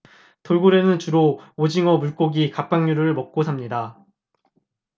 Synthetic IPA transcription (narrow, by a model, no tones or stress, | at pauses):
toɭɡuɾe̞nɯnt͡ɕuɾood͡ʑiŋʌmuɭk͈oɡikap͈̚aŋɲuɾɯɯɭmʌk̚k͈osʰamɲida